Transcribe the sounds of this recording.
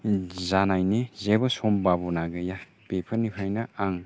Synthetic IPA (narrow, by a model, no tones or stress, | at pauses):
zanajnezebɐsɔmbabɔnaɡɯja | b̥epʰɐnipʰajnaaŋ